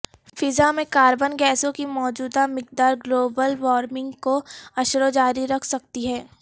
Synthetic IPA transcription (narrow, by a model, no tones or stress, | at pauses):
fɪzamẽkaːɾbənɡɛːsõkimɔːd͡ʒuːd̪amɪk̚d̪aːɾɡloːbəlʋɔːɾmɪ̃ŋɡkoɐʃɾod͡ʒaːɾiɾɐkʰsɐk̚t̪iɦɛː